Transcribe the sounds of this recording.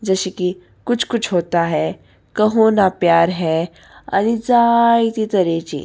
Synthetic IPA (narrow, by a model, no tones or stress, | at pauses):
d͡zəɕiki | kut͡sʰkut͡sʰɦot̪aɦɛ | kəɦonapjaɾɦɛ | a̰ñid͡zajit̪it̪əɾet͡ɕḭ